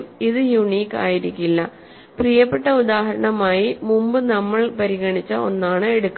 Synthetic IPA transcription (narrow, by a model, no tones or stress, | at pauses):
miðɨjuɳiːkːa̰ːjiɾikʲːilːɐ | prijɐpːe̞ʈːɐud̪aːɦɐɾɐɳɐmaːjimumbɨnɐmːɐɭpɐɾiɣɐɳit͡ɕːɐo̞̰nːaːɳɨe̞ɽukː